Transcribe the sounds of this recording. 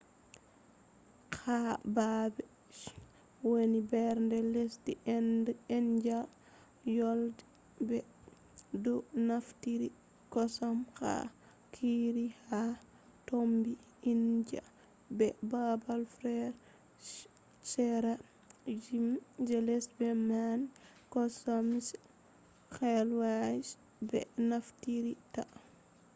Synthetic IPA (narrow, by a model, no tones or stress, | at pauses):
kʰababɛ | wonibɛɾndɛlesti | ɛnd͡ʒa | jɔld | bɛ | dɔnaftiɾi | kɔsamka̰ | kʰiɾiha | tombi | ind͡ʒa̰ | bɛbabalfɾɛɾ | sɛɾa | d͡ʒimd͡ʒɛlɛsbɛman | kɔsams | xɛlwas | bɛ̰naftiɾita